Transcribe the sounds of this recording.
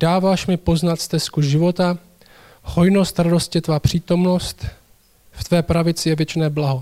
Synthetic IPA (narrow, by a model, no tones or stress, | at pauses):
d̥aːvaːʃmɪpo̞znat̪st̪ɛskuʒɪvo̞t̪a | hojno̞st̪ɾado̞scɪt̪vaːpr̝̥iːt̪o̞mno̞st̪ | ft̪vɛːpɾavɪt͡sɪjɛvjɛt͡ʃnɛːblaɦo̞